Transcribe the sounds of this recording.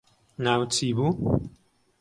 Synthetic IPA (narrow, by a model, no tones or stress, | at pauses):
nawt͡sibu